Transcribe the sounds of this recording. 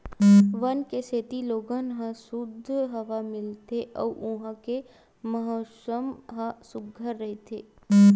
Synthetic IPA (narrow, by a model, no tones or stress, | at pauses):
ʋɐnkeseːt̪iloːɡənɦãsʊd̪ʱːɦɐʋamɪlt̪eʔɔ̰ːʔʊ̃ɦãke | mɐɦoːsəmɦãsʊɡʱəɾːɐɦet̪ʰeː